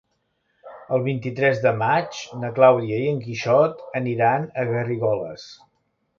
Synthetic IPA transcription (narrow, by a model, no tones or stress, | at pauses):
əlˠβint̪it̪ɾɛzðəmat͡ʃnəklawðiəiəŋkiʃɔt̪əniɾanəɣəriɣɔləs